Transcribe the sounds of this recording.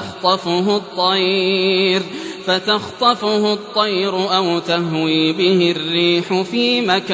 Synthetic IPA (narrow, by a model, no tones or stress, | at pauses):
xt̪ˤɑfʊɦt̪ˤːɑj | ɾfat̪ɑxt̪ˤɑfʊhʊt̪ˤːɑjɾʊʔawt̪aɦwiːbɪhɪrːiːħʊfiːmak